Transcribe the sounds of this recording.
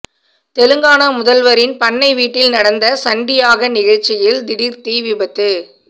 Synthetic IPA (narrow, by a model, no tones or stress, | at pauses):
t̪ɛlɯŋɡaːnɐmʊðɐlʋɐɾɪnpɐnːɐɪʋiːʈːɪlnɐɽɐnd̪ɐsɐɳɖɪjaːɣɐnɪɣɐɻt͡ʃːɪjɪld̪ɪɽɪɾt̪iːʋɪbɐt̪ːɯ